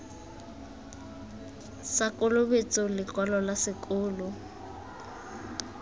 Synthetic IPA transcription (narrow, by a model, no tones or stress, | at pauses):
sakʼʊlʊbet͡sʼɔlɪkwalɔlasɪkʼʊːlʊ